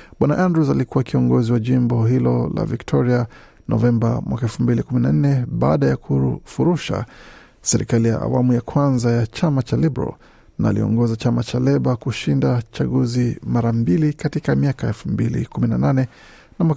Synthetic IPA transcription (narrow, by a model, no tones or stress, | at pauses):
ɓwanaʔandɾusalikuwakiɔŋɡɔziwaʄimbɔɦilɔ̰la̰viktʰɔɾia | nɔ̰vɛmba̰mwakaɛlfum̩bilikuminan̩nɛɓaːɗajakʰufuɾuʃa̰ | sɛɾḭkalija̰ʔa̰wamujakʰwanzajat͡ʃamat͡ʃalibɛɾa̰l | naːlḭɔ̰ŋɡɔzat͡ʃamat͡ʃalɛɓakuʃindat͡ʃaɠuzimaɾambilikatikamiakaɛlfumbilḭkuminananɛ | namwa